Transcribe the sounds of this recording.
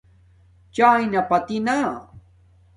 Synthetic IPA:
t͡ʃaːjnapat̪ina

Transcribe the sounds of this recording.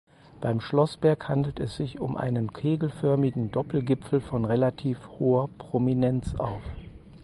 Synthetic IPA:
b̥aɪmʃlɔsb̥ɛɐkhandl̩tɛsz̥ɪçʊmʔa̰ɪnənkʰeːɡl̩fœɐmɪɡŋ̩dɔpl̩ɡɪpp͡fl̩fɔnʁelatʰiːfhoːɐpʁ̥ominɛnt͡sʔa̰ʊf

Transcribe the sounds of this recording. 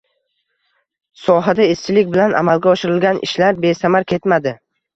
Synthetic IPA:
sɒɦad̪aest͡ʃʰɪlɪk̚ʲbɪlana̰malɡʲaɒʃɪɾɪlɡʲanɪ̰ʃlaɾbe̞samaɾkʲʰe̞t̪mad̪ɪ

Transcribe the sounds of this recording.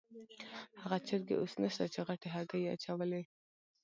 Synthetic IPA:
haɣat͡ʃɪɾɡḛʔosnəʃt̪at͡ʃeɣaʈeɦaɡajea̰t͡ʃawəle

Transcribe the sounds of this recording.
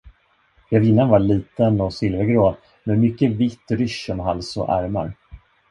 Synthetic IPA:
jɛvɪnːanvaɭiːt̪ənɔsɪlvəɾɡɾoː | mɛnmʏkːəvɪt̪ːɾʏʃɔmɦalsɔ̰ʔæɾma̰ɾ

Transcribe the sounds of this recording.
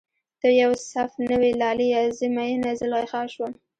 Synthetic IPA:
d̪̥əjawsafnəwelɑlijɑzimajenazəlɣexɑʃwa

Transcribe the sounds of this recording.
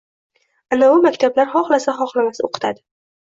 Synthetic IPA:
anaʊmakʲt̪ʰablaɾχɒχlˠasaχɒχlamasɪoqʰɨ̥t̪ʰad̪ɪ

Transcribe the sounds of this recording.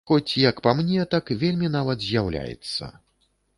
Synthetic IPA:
xɔt͡sʲjɐkpamnʲɛt̪akvʲelʲmʲinavɐd̪zʲjawlʲa̰jɛ̰t̪sːɐ̰

